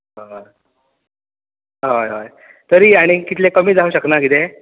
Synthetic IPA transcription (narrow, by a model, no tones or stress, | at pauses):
ɦojɦoj | t̪əɾiːaɽ̃ikit̪lekəmiːd͡zauːɕəknakit̪e